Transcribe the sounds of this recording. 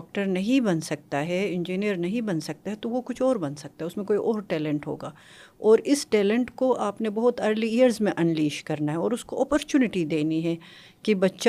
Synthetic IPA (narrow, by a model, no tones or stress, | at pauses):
k̚ʈəɾnɐɦĩbɐnsɐk̚t̪aɦɛɪ̃nd͡ʒiːnijəɾnɐɦĩbɐnsɐk̚t̪aɦɛt̪oʋokʊt͡ʃʰɔːɾbɐnsɐk̚t̪aɦɛʊsmẽkoːiʔɔːɾʈɛːlɛ̃ɳʈɦo̰ːɡaː | ɔːɾɪsʈɛːlə̃ɳʈkoʔaːpnebɐɦʊt̪ɐɾliiəɾzmẽʔɐnliːʃkɐɾnaɦɛɔːɾʊskoɔːpəɾt͡ʃuːnɪʈid̪eːniɦɛ | kibɐtːʃ